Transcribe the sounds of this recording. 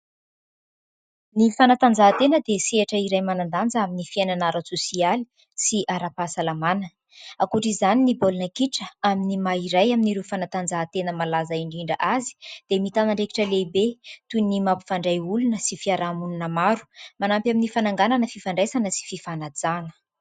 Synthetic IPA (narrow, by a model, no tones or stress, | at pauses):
nifanat̪and͡zaːt̪enəd̪eseaʈ͡ʂəiɾajmanand̪and͡zəaminifiananaɾat͡susiali̥ | siʔaɾapasalamanə | akuʈ͡ʂizaninibolunəkiʈ͡ʂəaminimaiɾajaminiɾefanat̪and͡zat̪enəmalazaiɳɖ͡ʐiɳɖ͡ʐəʔazi̥d̪̥emit̪anaɳɖ͡ʐeki̥ʈ͡ʂəlebet̪unimapu̥faɳɖ͡ʐajulunəsifiaɾamununəmaɾu̥manampjaminifanaŋɡananəfifaɳɖ͡ʐajsanəsi̥fifanad͡zanə̥